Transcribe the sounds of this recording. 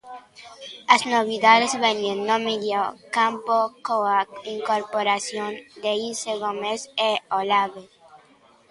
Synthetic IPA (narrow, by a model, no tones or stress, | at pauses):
asnoβiðaðezβenenːomidjakampokoaiŋkoɾpoɾasjond̪eiseɣomeseolaβe